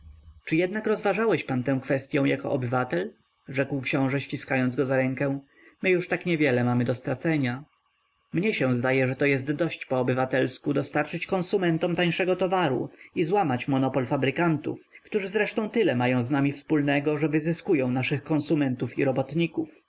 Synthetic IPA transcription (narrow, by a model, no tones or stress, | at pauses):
t͡ʂɘjɛd̪nakɾɔzvaʐawɛɕpant̪ɛ̃w̃kfɛst̪ʲjɔ̃w̃jakɔ̰ʔɔbɘvat̪ɛl | ʐɛkwkɕɔ̃w̃ʐɛɕt͡ɕiskajɔnd̪zɡɔzaɾɛŋkɛ̃ | mɘjuʂt̪akɲɛvʲjɛlɛmamɘd̪ɔst̪ɾat̪sɛɲa | mɲɛɕɛ̃w̃zd̪ajɛʐɛt̪ɔjɛst̪d̪ɔɕt͡ɕpɔːbɘvat̪ɛlskud̪ɔst̪aɾt͡ʂɘt͡ɕkɔ̃nsumɛnt̪ɔmt̪aj̃ʂɛɡɔt̪ɔvaɾṵizwamat͡ɕmɔnɔpɔlfabɾɘkant̪ṵf | kt̪uʐɘzɾɛʂt̪ɔ̃w̃t̪ɘlɛmajɔ̃w̃znamʲifspulnɛɡɔʐɛvɘzɘskujɔ̃w̃naʂɘxkɔ̃nsumɛnt̪ufḭɾɔbɔt̪ɲikuf